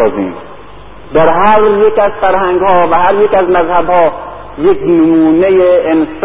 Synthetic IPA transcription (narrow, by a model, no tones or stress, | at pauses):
ɒːzḭːm | d̪æɾɦæɾjekæzfæɾhæŋɡhɒːvæhæɾjekæzmæzhæbhɒː | jeknɪmuːnejeːns